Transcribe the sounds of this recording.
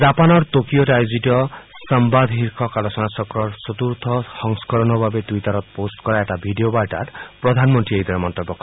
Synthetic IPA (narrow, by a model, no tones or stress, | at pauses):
d͡ʒapanɔɾt̪okioʈajuziʈɔsɔmbad̪ʱɦiɾkʰɔkalosɔnasɔkɾɔɾsɔt̪uɾt̪ʰɔhɔŋskɔɾɔnɔbʱabet̪uitɔɾɔt̪ɔposʈkɔɾaeʈabʱiɖiobajʈa̰ɾpɾɔd̪ʱanmɔnt̪ɾiejd̪ʱɔɾemɔnt̪ebːɔkɔ